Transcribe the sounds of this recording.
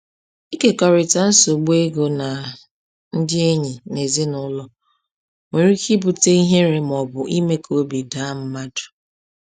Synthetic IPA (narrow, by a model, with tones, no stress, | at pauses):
i˦ke˨kɔ˨ɾɪ˨ta˨n̩˦so˨ɡ͡be˦ɡo˨na˨ | n̩˦dɪ˦e˦ɲɪ˨ne˨ze˦nʊ˦lɔ˦ | ŋʷe˨ɾi˦ki˦bu˨te˦i˦ɦe˦ɾe˨m˨ɔ˨bʊ˨ʔi˦me˦kʰo˦bi˨da˨˦m̩˦ma˦dʊ̥˨